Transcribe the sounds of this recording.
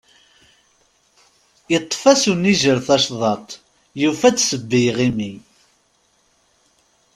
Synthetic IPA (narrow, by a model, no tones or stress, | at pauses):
jət̪ˤːfæsunːiʒəɾθɑʃðˤɑt̪ˤ | jufæt͡sːsəbːijʁimi